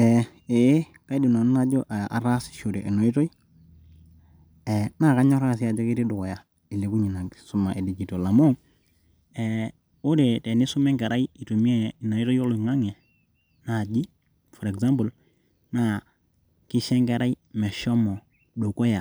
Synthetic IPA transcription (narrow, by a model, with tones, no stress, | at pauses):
ɛ˨ | e˨˦ | ka˦jdi˨nɔ˨n˦na˦d͡ʒɔ˦ʔa̰˨ɾa˦sʃu˨ɾɛ˨ʔɛ˨no˨i˦tɔ˦i˦ | ɛ˨na˦˨ka˦ɲɔ˦ɾa˦˨s̬i˨a˨d͡ʒɔ˦ki˦ɾi˦dʊ˨kɔ˨ja˨ | i˨li˨ku˦ɲi˨na˨ksu˦ma˨ʔɛ˨di˨ɡi˨to˨la˨mo˦ | ɛ˨ | o˦de˨tɛ˨ni˦su˦mɛ˦ŋkɛ˨ɾa˦ji˦i˨to˨mi˦ɛ˦i˨no˨i˦tɔ˦o˦lu˨ŋa˦ŋɛ˨ | na˨d͡ʒi˦ | fɔ˨ɾɛ˨kza˦mbu˨l | na˦ | ki˦ʃɛ˦ŋkɛ˨ɾa˦i˦mɛ˨ʃɔ˦mɔ˨ | du˨kɔ˦ja˨